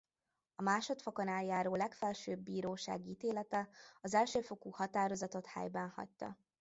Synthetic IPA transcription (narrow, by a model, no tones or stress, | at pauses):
ɒmaːʃo̞t̪foko̞naːljaːɾoːlɛkfɛlʃøːbːiːɾoːʃa̰ːɡiiːt̪eːlɛt̪ɛɒzɛlʃøːfo̞kuːhɒt̪aːɾo̞zɒt̪o̞t̪ha̰jbɛnhɒ̰ct̪ɒ̰